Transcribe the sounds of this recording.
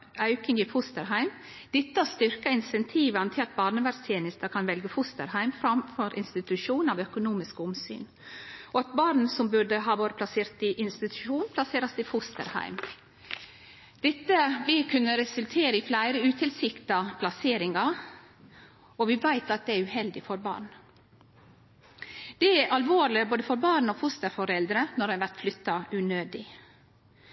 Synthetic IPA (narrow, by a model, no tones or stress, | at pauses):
œʉkɪŋiːfʊst̪əɾɦæɪm | d̪̥ɛt̪ːəɑst̪ʏɾkɑɪnsɛnt̪ʰiːʋɑnt̪ʰɪlɑt̪̚bɑːɾnəʋæɾst̪ʰjeːnɪst̪əkʰɑnʋɛlɡəfʊst̪ə̰ɾhæɪmfɾɑmfɔɾʔɪ̰nst̪ɪt̪ʉʃuːnɑʋœkʊnuːmɪskʊmsy̰ːn | ɔɑt̪̚bɑːɾn̩sɔmbʉɖəɦɑːʋoːɾəpʰlɑseːɾt̪ɪʔɪnst̪ɪt̪ʰʉ̥ʃuːnpʰlɑseːɾɑsd̪ɪfʊst̪ə̰ɾhæ̰ɪm | d̪̥ɛt̪ːəʋɪlkʰʉnːəɾɛsʉlt̪ʰeːɾəɪflæɪɾəʉːt̪ʰɪlsɪkt̪ɑpʰlɑseːɾɪŋɑ | ɔʋɪʋæɪt̪ɑt̪̚d̪ɛæɾʉhɛld̪ɪfɔɾbɑ̰ːɾɳ | d̪̥ɛæɾʔɑlʋoːɾlɪboːd̪əfɔɾbɑːɳ̩oːfʊst̪əɾfɔɾɛld̪ɾənɔɾɛʋæɾʈ̪flʏt̪ːɑʉnøːd̪ɪ